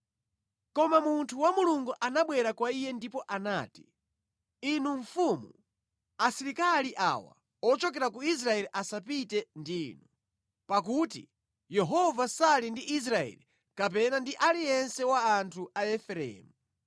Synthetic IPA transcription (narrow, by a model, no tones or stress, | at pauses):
kɔmamuntʰuwamuluŋɡuʔanaɓwɛɾakwaijɛndipɔʔanaːti̥ | inuɱfumu | asiɾikaliʔa̰wa̰ | ɔt͡ʃɔk̬ɛɾakuis̬ɾaɛliʔasapitɛndiːnu | pakutḭ | jɛɦɔvasalindiʔis̬ɾaɛ̰li | kap̬ɛnandiʔalijɛnsɛwaːntʰuaɛfɛɾɛ̰ːmu